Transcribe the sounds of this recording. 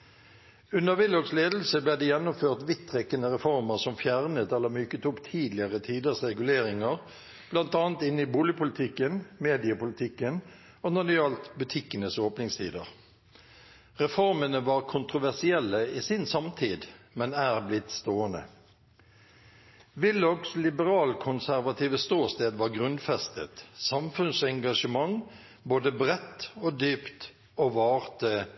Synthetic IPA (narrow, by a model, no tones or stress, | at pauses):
ʉnəʁʋɪlɔɡsleːd̪l̩səbleːd̪ɛːjɛnːʊmføːʁt̪ʋɪt̪ʰːʁɛkːənəʁɛfɔʁməʁsɔmfjæʁnət̪ɛlːəmyːkət̪ʊpt̪ʰiːd̪lɪəʁət̪ʰiːd̪əʁsʁɛɡʉleːʁɪŋəʁ | b̥lɑnt̪ɑːnt̪ɪnːɪbuːlɪəpʊlɪt̪ʰɪkːənmeːd̪ɪəpʊlɪt̪ʰɪkːən | oːnɑɖ̪ɪɑːlt̪bʉt̪ʰɪkːənəsoːpnɪŋst̪ʰiːd̪əʁ | ʁɛfɔʁmənəʋɑːʁkʰʊnt̪ʁʊʋæʁsɪɛlːəiːsɪnsɑmt̪ʰiːd̪ | mɛnæːʁblɪt̪st̪oːənə̰ | ʋɪlɔkslɪbəɾɑːlkʰʊnsæʁʋɑt̪ʰiːʋəst̪uːst̪eːd̪ʋɑːʁɡʁʉnfɛst̪ə̰t̪sɑmfʉnsɛŋɡɑʂəmɑŋ | boːd̪əbʁɛt̪ːoːd̪yːpt̪ | oːʋɑːʁt̪ə